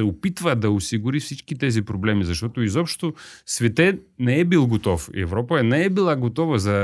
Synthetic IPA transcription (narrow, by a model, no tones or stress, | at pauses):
sɛopit̪vəd̪ɐosiɡʊɾifsit͡ʃkit̪ɛzipɾoblɛmizɐʃt̪ɔt̪oizɔpʃt̪osvɛt̪ɛnɛɛbilˠɡot̪ɔfḭɛ̰vɾɔpɐɛnɛɛbilˠaɡot̪ɔvəzɐ